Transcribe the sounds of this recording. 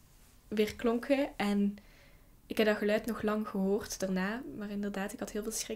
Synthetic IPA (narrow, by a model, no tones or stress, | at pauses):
ʋɪːrklɔŋkʰəʔɛn | ɪkɦɛp̚dɑxəlœɥtnɔxlɑŋɣəɦoːrtd̥aːrnaːmaːrɪndərdaːtɪkhɑtɦɪːlˠvɪːlˠsxɪ